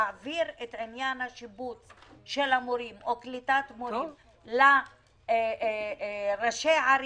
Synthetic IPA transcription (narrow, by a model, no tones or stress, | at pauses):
viɾet̪ʕinjanhaʃibut͡sʃelamoɾimʔoklit̪at̪moim | la | ʁaʃeʕaɾ